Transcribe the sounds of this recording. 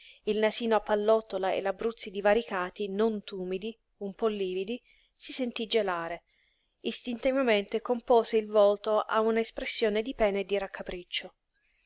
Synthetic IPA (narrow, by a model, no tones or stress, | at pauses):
ilnasiːnoapːalːɔt̪ːolaḛlabɾut̪sːid̪ivaɾikaːt̪inont̪uːmid̪i | umpɔlːiːvid̪i | sisent̪id͡ʒelaːɾe | ist̪int̪ɛvjament̪ekompɔːzeilvɔlt̪oʔa̰unaespɾesːjoːned̪ipɛːned̪iɾakʰːapɾit͡ʃːo